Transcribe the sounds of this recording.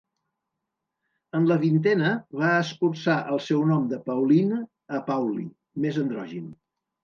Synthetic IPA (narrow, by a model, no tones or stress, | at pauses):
ənləβint̪ɛnəβaəskursaʔəlˠsɛwnɔmd̪əpəwlin | əpawlḭ | mezənd̪ɾɔʒin